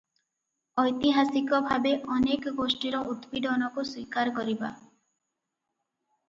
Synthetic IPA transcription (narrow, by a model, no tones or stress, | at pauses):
ɔjt̪iɦasikɔbʱabeʔɔnekɔɡosʈiɾɔʔut̪bid̪ɔnɔkuswikaɾkɔɾiba̰